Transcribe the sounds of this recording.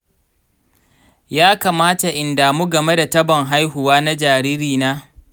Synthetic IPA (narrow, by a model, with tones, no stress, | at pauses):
jaː˦kaː˨maː˦ta˨ʔɪ˨ndaː˨mu˦ɡɐ˨me˦da˨tɐ˦bɐ˨ŋɦa˦jhʊ˨waː˦na˦d͡ʒaː˨ɾiː˦ɾiː˨naː˦